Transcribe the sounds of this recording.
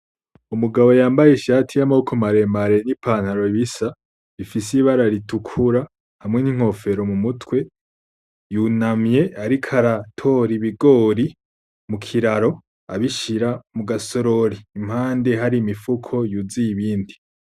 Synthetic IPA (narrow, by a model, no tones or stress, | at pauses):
umuɡaβo̞jaːmbajeʃaːtʰijamaukʰomaɾe̞maɾe̞nipʰaːn̥haɾo̞iβisa | βifisiβaɾaɾitukʰuɾa | hamŋe̞niŋ̥ho̞fe̞ɾo̞mumutwe̞ | junamɲe̞aɾikʰaɾatʰo̞ɾiβiɡo̞ːɾi | mukʰiɾaɾo̞ | a̰βiʃiɾamuɡaso̞ɾo̞ɾiːmhaːnde̞ɦaɾiːmifukʰo̞juzijiβiːndi